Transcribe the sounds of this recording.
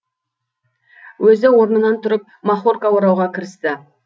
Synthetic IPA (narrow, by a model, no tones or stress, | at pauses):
wɵzɪwo̞ɾnənɑnt̪ʰʊɾɪp̚mɑχorkawoɾɑwʁɑkʲʰɪɾɪst̪ɪ